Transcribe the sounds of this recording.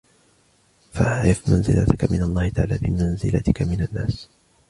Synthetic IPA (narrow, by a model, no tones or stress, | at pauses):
faʔaʕɾɪfmanzɪlʔa̰t̪ɪkamɪnalˤːɑːhɪt̪aʕa̰ːlaːbɪmanzɪlat̪ɪkamɪnanːaːs